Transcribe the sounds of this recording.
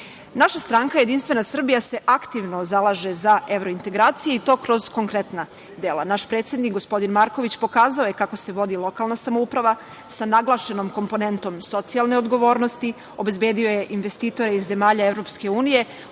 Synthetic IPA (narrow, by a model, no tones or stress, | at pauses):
naʃast̪ɾaŋkajed̪inst̪ʋenasr̩bijase̞ʔakt̪iʋno̞zalˠaʒe̞zae̞ʋɾo̞int̪e̞ɡɾaːt̪sijeit̪o̞ːkɾo̞z̥ko̞ŋkɾe̞t̪na | d̪eːlˠa̰naʃpɾe̞ːt̪sed̪nikɡospo̞d̪inmaɾko̞ʋit͡ɕpo̞kaːzaoje̞kako̞se̞ʋo̞d̪ilˠo̞kaːlˠnasamoupɾaʋa | sanaɡlˠaːʃe̞no̞mko̞mpo̞ne̞nt̪o̞mso̞t̪sialˠne̞o̞d̪ɡo̞ʋo̞ːɾnost̪i | o̞be̞zbe̞ːd̪io̞je̞ʔinʋe̞st̪iːt̪o̞ɾeizːe̞maːʎaevɾo̞pske̞uːnije̞